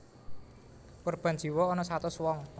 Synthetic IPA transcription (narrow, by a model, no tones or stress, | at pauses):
korb̥a̤n̥d͡ʒ̥i̤wɔːnɔsat̪ʊswɔŋ